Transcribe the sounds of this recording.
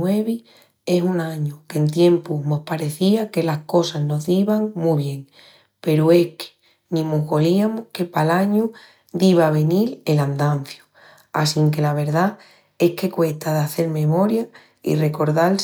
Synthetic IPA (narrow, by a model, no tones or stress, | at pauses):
we̞βi | e̞sunãɲuke̞nt̪je̞mpumohpaɾe̞θiake̞lahko̞sazno̞ðiβaŋmuβje̞ŋ | pe̞ɾue̞hkʰe̥ | nĩmuɣo̞liamuhke̞palaɲu | d̪iβaβ̞e̞nile̞land̪an̟θju | a̰siŋke̞laβ̞e̞ɾða | e̞hke̞kwe̞ht̪aðaθe̞ɾmẽ̞mo̞ɾja | ḭre̞ko̞ɾðal